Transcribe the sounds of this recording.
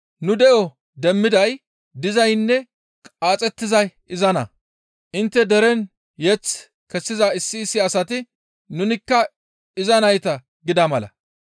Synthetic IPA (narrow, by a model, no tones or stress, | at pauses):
nʊd̪ɛʔɔ | d̪ɛmːɪd̪ɐj | d̪ɪzɐjnːɛ | kʼaːt͡sʼɛt̪ːɪzɐj | ɪzɐnɐ̰ | ʔɪnt̪ːɛd̪ɛɾɛn | jɛt͡s | kɛsːɪzɐɪsːɪːsːɪɐsɐt̪ɪ | nʊnɪkːɐ | ɪzɐnɐjt̪ɐ | ɡɪd̪ɐmɐlɐ̰